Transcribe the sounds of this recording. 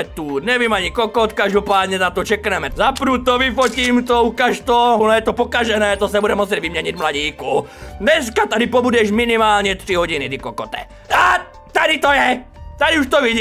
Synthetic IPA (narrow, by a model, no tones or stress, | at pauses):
ɛt̪uːɲɛʋiːmaɲikɔkɔt̪kaʒd̪ɔpaːd̪ɲɛnat̪ɔt͡ʃɛknɛmɛzapɾuːt̪ːɔʋifɔciːmt̪ɔukaʃt̪ɔɦunɔjɛt̪ɔpɔkaʒɛnɛːt̪ɔsaɲɛbudɛmːɔsjɛɟʋimɲɛɲiɟmlaɟiːkud̪ɲɛs̬kat̪ad̪ipɔbudɛʃminimaːlɲɛt̪ɾiɦɔɟinit̪ikɔkɔt̪ɛ̰ | a | t̪ad̪it̪ɔjɛ | t̪ad̪iuʃt̪ɔʋiɟiː